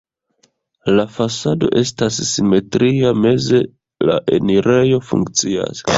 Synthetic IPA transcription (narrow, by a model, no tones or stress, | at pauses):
lafasado̞̰ʔe̞stasːime̞tɾʔiame̞ze̞ | la̰ʔe̞̰niɾʔe̞jo̞fṵŋkt͡sia̰s